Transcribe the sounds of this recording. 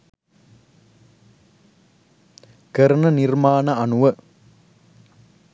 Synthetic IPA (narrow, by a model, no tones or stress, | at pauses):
kɐɾɐnɐnɪrmaːnɐɐnʊʋɐ